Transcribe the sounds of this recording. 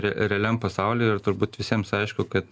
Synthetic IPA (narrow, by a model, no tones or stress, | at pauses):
ɾʲɛɾʲɛːlʲɛmpɐsɑʊlʲɪɪɾt̪ʊɾbuːt̪ʋʲɪsʲiɛmsɐɪʃkʊkɐt̪